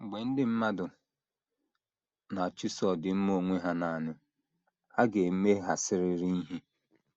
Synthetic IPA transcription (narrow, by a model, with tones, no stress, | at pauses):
ŋ͡m̩˨ɡ͡be˨n̩˦dɪ˦m̩˦ma˦dʊ˨ | na˨t͡ʃi˦sɔ˨dɪ˨m̩˦mo˦˨ŋʷe˦ɦa˦na˨nɪ˨ | a˦ɡe˨m̩˦me˦ɦa˨sɪ˦ɾɪ˦ɾi˦i˦ɦi˦